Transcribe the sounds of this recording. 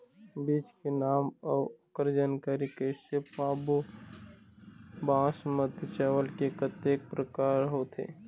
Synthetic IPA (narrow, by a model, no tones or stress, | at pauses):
biːt͡ʃkenaːmɔːʊkəɾd͡ʒaːnkaːɾikesepaːbu | bãːsmət̪t͡ʃɛːʋəlkekət̪eːk̚pɾəkaːɾɦoːt̪ʰḛː